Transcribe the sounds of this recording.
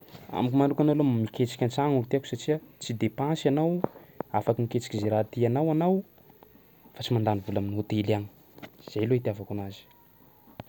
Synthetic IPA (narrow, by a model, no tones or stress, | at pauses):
a̰mikumanɖ͡ʐukʲanawlomiket͡si̥kʲant͡saŋulut̪aku̥saʈ͡ʂiat͡sid̪epãsanawafakiniket͡si̥kizeɾat̪ianawanaw | fat͡simand̪anivulaminiot̪elani̥ | z̥ajloit̪iavakunazi̥